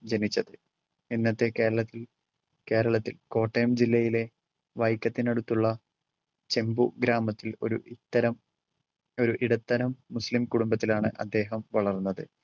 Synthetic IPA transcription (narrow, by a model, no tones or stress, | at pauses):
d͡ʑenit͡ɕːɐðɨ | inːɐt̪ːe̞ke̞ːɾɐɭɐt̪ːil | ke̞ːɾɐɭɐt̪ːilko̞ːʈːejmd͡ʑilːɐjile̞ | ʋɐjkʲːɐt̪ːineɽut̪ːuɭːɐ | t͡ɕe̞mbuɡɾaːmɐt̪ːilo̞̰ɾṵʔit̪ːɐɾɐm | o̞ɾuʔiɽɐt̪ːɐɾɐmːuslimkuɽumbɐt̪̬ːilaːɳɨ̰ʔɐd̪ːe̞ːɦɐmʋɐɭɐrnːɐðɨ